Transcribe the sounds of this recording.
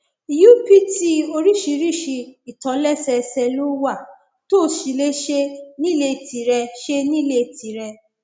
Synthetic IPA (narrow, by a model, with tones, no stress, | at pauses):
i˨ju˦pi˦ti˦o˧ɾi˦˨ʃi˧˦ɾi˦˨ʃi˧i˨tã˨˦lɛ˦˨sɛ˧sɛ˧lu˦wa˦˨ | to˦˨˦ʃi˨˦le˦ʃe˦nĩ˦˨le˧˦˨ti˨ɾɛ˧ʃe˦nĩ˦˨le˦˨tʰi˨ɾɛ˧